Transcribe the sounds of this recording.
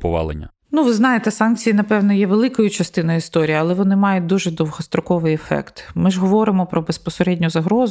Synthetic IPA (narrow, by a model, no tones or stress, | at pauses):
pɔʋɑ̰lˠḛnʲːɐ̰ | nuʋɪznɑjet̪ɛsɑnkt͡sʲijinɐpɛwnɔjɛʋelˠɪkɔjʊt͡ʃɐst̪ɪnɔjʊist̪ɔɾʲijiɐlˠɛʋɔnɪmɑjʊt̚ʲd̪uʒɛd̪ɔwɦɔst̪ɾɔkɔʋɪjefɛ̰kt̪mɪʒɦɔʋɔɾɪmɔpɾɔbespɔseɾɛdʲnʲʊzɐɦɾɔz